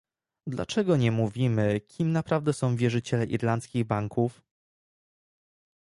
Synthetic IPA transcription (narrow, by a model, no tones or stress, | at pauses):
d̪la̰t͡ʂɛɡɔɲɛmuvʲimɘkʲʰimnapɾavd̪ɛsɔ̃w̃vʲjɛʐɘt͡ɕɛlɛʔiɾlant̪skʲiɣbaŋkuf